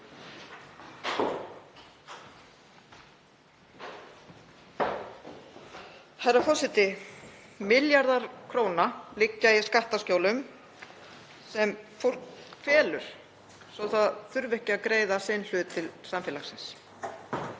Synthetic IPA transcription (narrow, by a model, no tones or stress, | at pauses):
harafɔsɪt̪ɪ | mɪljaɾðaɾ̥kʰɾoːwnalɪcːaiskaht̪ascoːwlʏm | sɛmfowl̥kfɛːlʏ̰ɾ̥ | sɔθaðθʏɾvɛhcɪakɾeːjðasɪnl̥ʏːt̪ʰɪlsamfɛːlaxsɪns